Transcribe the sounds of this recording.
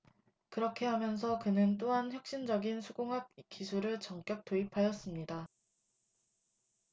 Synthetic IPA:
kɯɾʌkʰe̞ɦamjʌns̬ʰʌkɯnɯnt̬͈oɦançjʌk̚ɕ͈ind͡ʑʌɡinsʰuɡoŋɦap̚k͈isʰuɾɯɭt͡ɕʌŋk͈jʌk̚t͈oipʰajʌs͈ɯmɲida

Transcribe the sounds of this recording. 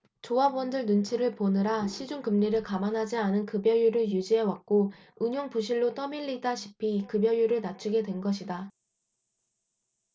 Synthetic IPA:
t͡ɕoabuʌndɯɭnunt͡ɕʰiɾɯɭponɯɾaɕʰid͡ʑuŋkɯmɲiɾɯɭkamanɦad͡ʑianɯnkɯbjʌjuɾɯɭjud͡ʑiɦe̞wak̚k͈o | ɯɲjoŋpuɕʰiɭːot͈ʌmiʎːidaɕʰi̥pʰiːkɯbjʌjuɾɯɭnat͡ɕʰuɡe̞dwe̞nɡʌɕʰida

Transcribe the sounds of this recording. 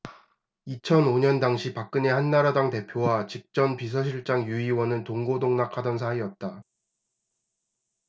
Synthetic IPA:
it͡ɕʰʌnoɲʌndaŋɕʰipak̚k͈ɯne̞hanːaɾadaŋte̞pʰjowat͡ɕik̚t͡ɕ͈ʌnpis̬ʰʌɕ̬ʰiɭt͡ɕ͈aŋjuiwʌnɯntoŋɡodoŋnakʰadʌnsʰaiʌt̚t͈a

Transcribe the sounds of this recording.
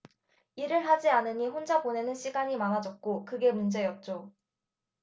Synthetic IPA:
iɾɯɭɦad͡ʑianɯɲiɸond͡ʑabone̞nɯnɕʰiɡaɲimanad͡ʑʌt̚k͈okɯɡe̞mund͡ʑe̞jʌt̚t͡ɕ͈o

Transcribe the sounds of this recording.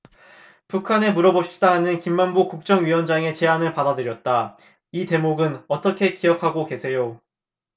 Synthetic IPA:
pukʰane̞muɾʌboɕʰdaɦanɯnkimːanbokuk̚t͡ɕ͈ʌŋɥiwʌnd͡ʑaŋe̞t͡ɕe̞ɦanɯɭpadadɯɾjʌt̚t͈a | ite̞moɡɯnʌt͈ʌkʰe̞kijʌkʰaɡoke̞sʰe̞jo

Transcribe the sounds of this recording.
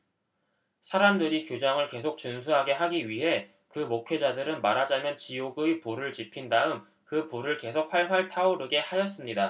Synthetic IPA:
sʰaɾamdɯɾikjod͡ʑaŋɯɭke̞s̬ʰok̚t͡ɕɯnsʰuɦaɡe̞ɦaɡiɥiɦe̞ | kɯmokʰe̞d͡ʑadɯɾɯnmaɾad͡ʑamjʌnt͡ɕioɡɯpuɾɯɭt͡ɕipʰindaɯm | kɯpuɾɯɭke̞sʰok̚ɸaɭɸaɭtʰauɾɯɡe̞hajʌs͈ɯmɲida

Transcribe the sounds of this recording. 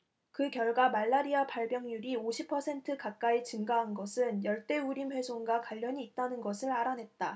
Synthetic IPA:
kɯkjʌɭɡwamaɭːaɾiapaɭbjʌŋjuɾioɕʰipʰːʌsʰe̞ntʰɯkak̚k͈ait͡ɕɯŋɡaɦanɡʌsʰɯnjʌɭt͈e̞uɾimɸwe̞sʰoŋɡakwaʎːʌɲiːt̚t͈anɯnɡʌsʰɯɾaɾanɦe̞t̚t͈a

